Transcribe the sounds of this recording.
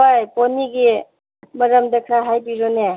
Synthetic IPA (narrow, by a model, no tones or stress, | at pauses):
ajponiɡi | mɐɾəmdekʰɾaɦajpiɾone